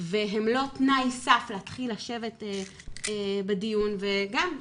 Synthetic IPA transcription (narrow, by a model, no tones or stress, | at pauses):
veɦemlo̞tnajsafleat̪χilaʃe̞vete | bedijunveɡam